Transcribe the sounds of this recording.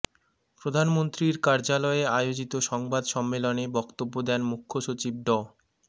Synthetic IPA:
pɾod̪ʱanmont̪ɾiɾkaɾd͡ʑalɔeajod͡ʑit̪oʃɔŋbad̪ʃɔmːelonebɔkt̪obːod̪ɛnmukʰːoʃot͡ɕib̚ɖɔ

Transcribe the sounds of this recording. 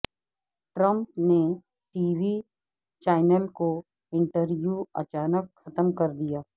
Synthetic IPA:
ʈɾə̃mpne | ʈiːʋi | t͡ʃaːɪnəlko | ɪ̃ɳʈəɾʋjuːɐ̰t͡ʃaːnəkxɐt̪əmkɐɾd̪ijaː

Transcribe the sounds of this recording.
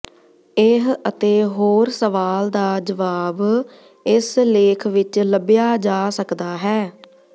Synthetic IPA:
ɪɦət̪eːɦoːɾsəʋaːld̪aːd͡ʒəʋaːb | ɪsleːkʰʋɪt͡ʃləbjaːd͡ʒaːsəkd̪aːɦɛː

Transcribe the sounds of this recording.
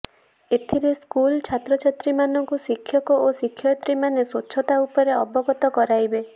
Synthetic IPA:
et̪ʰiɾeskult͡ʃʰat̪ɾɔt͡ʃʰet̪ɾimanɔŋkusikʰːjɔkɔʔosikʰːjɔt̪ɾimanesotːʃʰɔt̪aupɔɾeɔbɔɡɔt̪ɔkɔɾajbe

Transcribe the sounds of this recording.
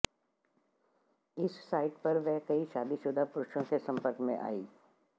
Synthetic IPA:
ɪsːaːɪʈpɐɾʋɛɦkɐiʃaːd̪iʃʊd̪ʱapʊɾʃõkesɐ̃mpəɾkmḛ̃ʔa̰ːiː

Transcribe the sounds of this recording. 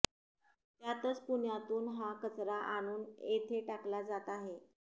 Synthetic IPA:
t̪jat̪ət͡spuɳjat̪uːnɦakət͡sɾaʔaɽ̃uːnet̪ʰeʈaklad͡zat̪aɦe

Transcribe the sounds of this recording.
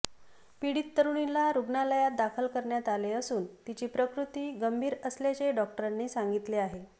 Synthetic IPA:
piɽit̪ːəɾuɳilaɾuɡɳaləjat̪̚d̪akʰəlkəɾɳjat̪aleəsuːnt̪it͡ɕiːpɾəkɾut̪iːɡəmbʱiːɾəsljat͡ɕeɖɔk̚ʈəɾanːiːsaŋɡit̪leaɦe

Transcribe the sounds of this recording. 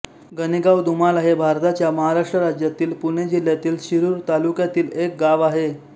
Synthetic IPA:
ɡəniɡawd̪umalaɦebʱaɾt̪at͡ɕjaməɦaɾaʂʈɾəɾad͡ʑjat̪iːlpuned͡ʑil̤jat̪iːlɕiɾuːɾt̪alukjat̪iːlek̚ɡaʋaɦe

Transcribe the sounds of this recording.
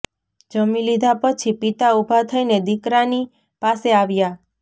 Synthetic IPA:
d͡ʒəmĩlid̪ʱapət͡ʃʰipit̪aubʱat̪ʰəined̪ikɾani | paseaʋja

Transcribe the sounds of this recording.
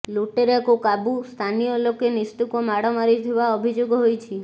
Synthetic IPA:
loʈeɾeakokabust̪ʰanijɔlokenist̪ukomaɽɔmaɾit̪ʰiβaɔbʱid͡ʒoɡɦojt͡ʃʰi

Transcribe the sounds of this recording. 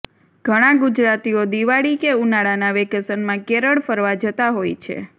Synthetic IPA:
ɡ̥ʱəɽ̃ãɡud͡ʒɾat̪iod̪iʋaɭikeunaɭanaʋekəsənmãkeɾəɽfəɾʋad͡ʒət̪aɦojt͡ʃʰḛ

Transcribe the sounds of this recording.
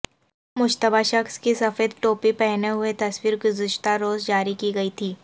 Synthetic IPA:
mʊd͡ʒt̪əbaʃɐxskisɐfeːd̪ʈoːpipɛɦneɦʊet̪ɐswiːɾɡʊzɪʃt̪aɾoːzd͡ʒaːɾikiɡɐit̪ʰiː

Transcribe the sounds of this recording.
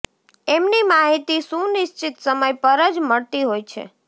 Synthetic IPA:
emnimaɦit̪isũnɪʃt͡ʃɪt̪səməjpəɾəd͡ʒməɭt̪iɦojt͡ʃʰḛ

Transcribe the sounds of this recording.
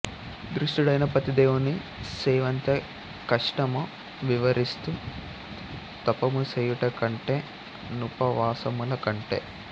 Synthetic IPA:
d̪ɾuʂʈuɽɐjnɐpɐt̪id̪eːʋuni | sɛːʋɐnt̪e | kɐʂʈɐmu | ʋiʋɐɾist̪u | t̪ɐpɐmuseːjuʈɐkɐɳʈeː | nupɐʋaːsɐmulɐkɐɳʈe̞̰ː

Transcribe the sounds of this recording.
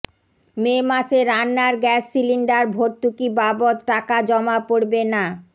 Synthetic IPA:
memaʃeɾanːaɾɡɛsːiliɳɖaɾbʱoɾt̪ukibabot̪ʈakad͡ʑɔmapoɽbena

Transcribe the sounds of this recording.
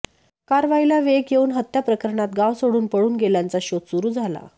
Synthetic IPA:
kaɾʋailaʋeɡjeuːnɦət̪ːjapɾəkəɾɳat̪̚ɡaʋsoɽuːnpəɽuːnɡeljant͡saɕot̪suɾuːd͡zʱala̰

